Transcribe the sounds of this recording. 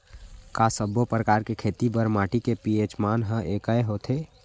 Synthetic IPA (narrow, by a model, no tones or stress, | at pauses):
kasəbopɾəkaːɾkekʰet̪ibəɾmaːʈikepiet͡ʃmaːnɦə̃ʔekəeɦot̪ʰe